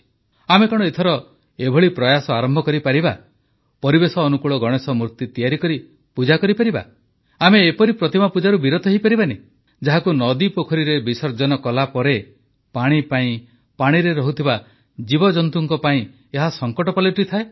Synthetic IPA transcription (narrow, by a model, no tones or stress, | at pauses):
amekɔɽ̃et̪ʰɔɾɔ | ebʱɔɭipɾɔjasɔaɾɔmbʱɔkɔɾipaɾiba | pɔɾibesɔːnukuɭɔɡɔɽ̃esɔmuɾt̪it̪ijaɾikɔɾi | pud͡ʒakɔɾipaɾiba̰ | ameːpɔɾipɾɔt̪imapud͡ʒaɾubiɾot̪ʰɔɦipaɾibane | d͡ʒaɦakunɔd̪ipokʰɔɾiɾebisɔɾd͡ʒɔnɔkɔlapɔɾe | paɽ̃ipaĩ | paɽ̃iɾeɾɔɦut̪ʰiba | d͡ʒibɔd͡ʒɔnt̪uŋkɔpaĩ | eɦasɔŋkɔʈɔpaliʈit̪ʰae